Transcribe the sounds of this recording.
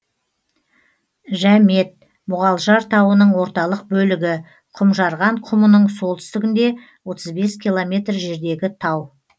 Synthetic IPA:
ʒæme̞t̪̚ | mʊʁɑlˠʒɑɾt̪ʰɑwənəɴwo̞ɾt̪ɑlˠəq̚bɵlɪɡʲɪ | qʰʊmʒɑɾʁɑɴqʰʊmənəɴso̞lˠt̪ʰʏ̥st̪ɪɡʲɪnd̪e̞ | wo̞t̪əzbe̞skʲʰilˠo̞mʲe̞t̪rʒe̞ɾd̪e̞ɡʲɪt̪ʰɑw

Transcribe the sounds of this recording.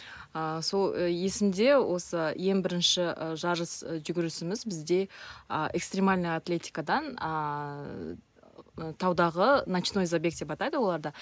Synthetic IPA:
əso̞lˠje̞sɪmd̪e̞wʔo̞səje̞ŋbɪɾɪnʃɪʒɑɾəsʒʏɡʲɪɾɪsɪmɪzbɪzd̪e̞əʔekst̪ɾʲe̞malʲnəjat̪lʲe̞t̪ʲi̥kad̪ɑnə | t̪ʰɑwd̪ɑʁənat͡ʃino̞izabʲe̞k̪̚d̪̥epɑt̪ɑjd̪əwo̞lˠɑɾd̪ɑ

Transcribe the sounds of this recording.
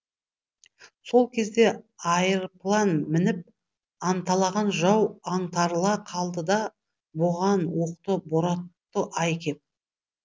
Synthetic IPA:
so̞lˠkʲʰe̞zd̪e̞ɑjəɾplˠɑnmɪnɪp̚ | ɑnt̪ɑlˠɑʁɑnʒɑwɑɴt̪ɑɾlˠɑqʰɑlˠd̪əd̪ɑ | boʁɑnwo̞qt̪əboɾɑt̪ːəʔɑjkʲʰe̞p̚

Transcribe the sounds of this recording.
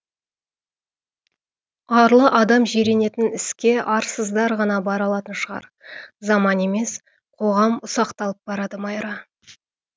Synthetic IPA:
ɑɾlˠəʔɑd̪ɑmʒeɾe̞ne̞t̪ɪnɪskʲe̞ʔɑɾsəzd̪ɑɾʁɑnɑbɑɾɑlˠɑt̪ənʃəʁɑ̰ɾ | zɑmɑne̞me̞s | qʰo̞ʁɑmʊsɑqt̪ɑlˠəp̚bɑɾɑd̪əmɑjɾɑ

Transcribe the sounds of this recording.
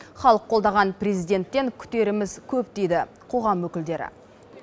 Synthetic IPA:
χɑlˠəqʰːo̞lˠd̪ɑʁɑnprezijd̪ʲe̞nt̪ːe̞ŋkʲʰʏ̥t̪e̞ɾɪmɪzkʲʰɵpt̪e̞jd̪ɪ | qʰo̞ʁɑmwɵkʲɪld̪e̞ɾɪ̰

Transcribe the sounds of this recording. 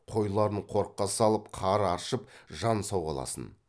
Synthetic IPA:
qʰo̞jlˠɑɾəɴqʰo̞ɾqːɑsɑlˠəpqʰɑɾɑɾʃəp̚ʒɑnsɑwʁɑ̰lˠɑ̰sə̰n

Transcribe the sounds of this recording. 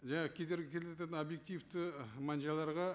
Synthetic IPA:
ʒɑɴɑʁəkʲʰed̪e̞ɾɡʲekʲʰe̞leɑt̪ɑt̪əno̞bje̞k̚t̪ijft̪ɪmɑnʒɑlˠɑɾʁɑ

